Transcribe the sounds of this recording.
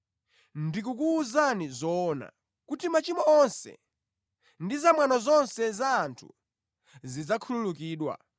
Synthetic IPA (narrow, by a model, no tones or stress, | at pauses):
ndikuk̬uːzanizɔːna̰ | kutimat͡ʃimɔɔnsɛ̰ | ndizamwanɔzɔnsɛzaːntʰu̥̰ | zid͡zakʰululukiːɗwa̰